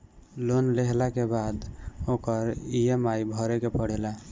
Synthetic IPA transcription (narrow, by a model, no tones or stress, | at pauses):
lonleɦlakebad̪okəɾijemajbʱəɾekepəɽ̤ela